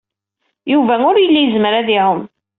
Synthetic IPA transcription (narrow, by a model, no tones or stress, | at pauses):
juvæʊɾjəlːijəzmɾaðihʊm